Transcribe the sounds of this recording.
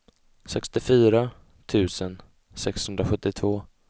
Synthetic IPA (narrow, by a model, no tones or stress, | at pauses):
sɛkst̪ɪfyːɾa | t̪ʰʉ̟ːsən | sɛkshɵnd̪ɾaɧɵt̪ːɪt̪ʰvoː